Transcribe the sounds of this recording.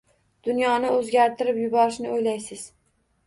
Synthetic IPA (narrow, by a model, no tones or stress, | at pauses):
d̪̥ʊnjɒnɪɵzɡʲaɾt̪ʰɪɾɪpjʊbɒɾɪʃnɪojlajsɪz̥